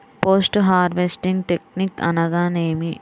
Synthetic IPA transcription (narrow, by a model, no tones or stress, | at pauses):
poːsʈɦaːɾʋesʈiŋɡ̚ʈek̚nikɐ̰nɐɡaːneːmi